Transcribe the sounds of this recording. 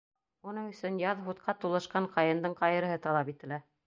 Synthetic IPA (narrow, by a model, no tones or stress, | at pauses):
unɤɴɵ̆sɵnjɑðɦut̪̚qʰɑt̪ulˠɤ̆ʃqɑɴqɑjɤ̆nd̪ɤɴqɑjɤ̆ɾɤ̆ɦɤt̪ɑlˠɑpit̪ɘ̆læ